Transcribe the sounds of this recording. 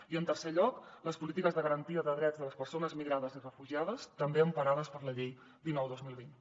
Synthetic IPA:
iənt̪ərseʎɔkləspulit̪ikəzðəɣəɾənt̪iəðəðɾɛdd͡zðələspəɾsonəzmiɣɾaðəzirəfuʒiað̞əst̪əmbeəmpəɾaðəspəɾləʎej | d̪inɔwðozmilˠβin

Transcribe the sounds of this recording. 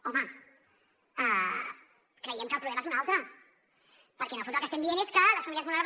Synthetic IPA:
omə | a | kɾəjɛmkəlˠpɾuβlemɐezunalˠt̪ɾə | pəɾkɛnəfonolkəst̪emd̪ieneskələsfamiliəzmulaɾβ

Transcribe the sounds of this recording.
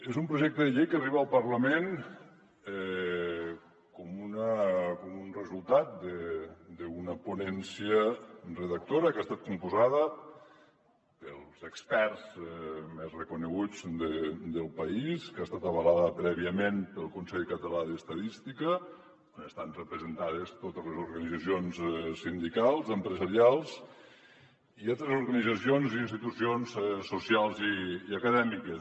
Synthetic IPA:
ezumpɾuʒɛk̚t̪əðəʎejkəriβəːlˠpərləmen | ɛ | kɔmunəkomunrəzulˠt̪at̪̚d̪əd̪əunəpunɛnsiərəðək̚t̪oɾəkast̪at̪̚kumpuzaðə | pəlˠzəkspɛrzmezrəkunəɣ̞ud͡zd̪əd̪əlˠpəiskast̪at̪əβəlaðəpɾɛβiəmenpəlˠkunsɛʎkət̪əlaðəst̪əðist̪ikə | onəst̪anrəpɾəzənt̪aðest̪ot̪əzlezuɾɣənid͡zəsionzɛsind̪ikalˠzəmpɾəzəɾialˠz | ialˠt̪ɾezuɾɣənid͡zəsionziːnst̪it̪usionzɛsːusialˠziːəkəðɛmikəs

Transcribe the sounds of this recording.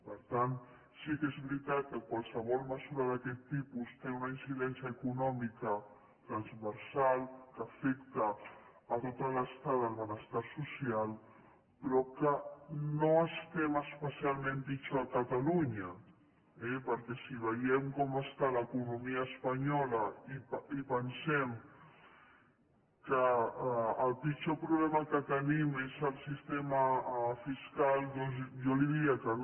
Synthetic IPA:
pəɾt̪an | sikezβɾit̪at̪̚kəkwalˠsəβ̞ɔlˠməzuɾaðakɛt̪ːipust̪eunainsiðɛnsjəːkunɔmikə | t̪ɾanzβəɾsalkəfɛkt̪aː | t̪ot̪aləst̪aðəlβənəst̪aɾsusial | pɾɔkənoəst̪ɛβaəspəsialˠmẽnd̪it͡ʃoakat̪aluɲə | ɛpəɾkɛsiβ̞əjɛmkɔməst̪aləːkunumiəːspɐɲɔləiipənsɛm | kəː | lpit͡ʃopɾuβlɛməkət̪ənimezəlˠsist̪eməfiskalˠd̪ɔnzʒoliðiɐkə

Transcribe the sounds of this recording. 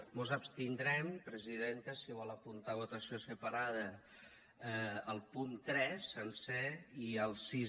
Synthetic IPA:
muzəpst̪ind̪ɾɛmpɾəziðent̪əsiβɔlˠəpunt̪aβut̪əsiosəpaɾað̞ə | əlˠpunt̪ɾɛsənsɛiəlˠsi

